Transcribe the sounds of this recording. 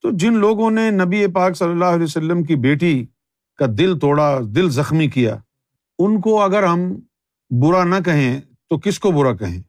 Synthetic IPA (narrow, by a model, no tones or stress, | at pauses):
t̪oːd͡ʒɪnloːɡõnenɐbiepaːksɐlːəlːaːɦʊlɛjosɐlːəmk̬ibeːʈi | kad̪ɪlt̪oːɽad̪ɪlzɐxmikija̰ː | ʊnkoɐɡəɾɦɐm | bʊɾanɐk̬ɐɦẽ | t̪okɪskobʊɾakɐɦḛ̃ː